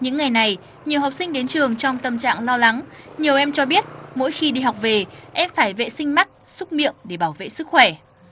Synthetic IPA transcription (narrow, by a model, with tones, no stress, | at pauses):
ɲɨ̰˧˥ŋːa˨˩jna˨˩j | ɲi˨˩əwɦa˨˩k͡p̚sï˧ŋ̟ɗe˨˦nt͡ɕɨ˨˩əŋt͡ɕɔ˧wŋ͡mt̪ə˨˩mt͡ɕa̰ː˧˨ŋlɔ˧la˨˦ŋ | ɲi˨˩əwʔɛ˧mt͡ɕɔ˧ɓi˦˥ət̚mo̰˧˥jxi˧ɗi˧ɦa˨˩wk͡p̚ve˨˩ʔɛ˧mfaː˧˩jvḛ˧˨sï˧ŋ̟ma˦˥k̚sʊ˦˥k͡p̚mḭ˧˨əmɗe˧˩ɓaː˧˩wvḛ˧˨sɨ˦˥k̚xwɛ˧˩